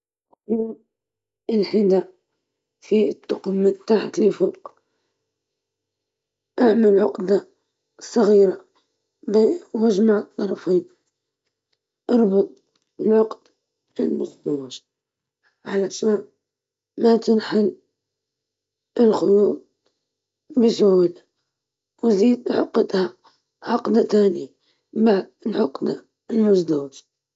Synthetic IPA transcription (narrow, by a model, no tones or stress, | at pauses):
qjut̪̚ | ɪlħɪd̪a | fit̪ːʊqmːɪnt̪aħat̪lɪfʊɾq | ʔaʕmalʕʊqd̪a | sˤɑɣiːɾa | bwaʒmaʕɨt̪ˤːɑɾˤɑfiːn | ʔɑɾˤbʊt̪ˤ | ɪlʕʊqd̪̥ | ɪlmʊzd̪awaʒ | ʕalaʃa | mat̪ɪnħal | əlxʊjuːt̪̚ | bəsʊhla | wziːd̪ʕʊ̰qːət̪ha | ʕɑqd̪at̪aːni | baʕd̪̚əlʕʊqd̪a | lmʊzd̪awɪʒ